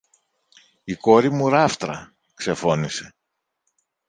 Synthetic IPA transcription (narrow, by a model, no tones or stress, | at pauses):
iko̞ɾimuɾɐft̪ɾɐ̰ | kse̞fo̞nise̞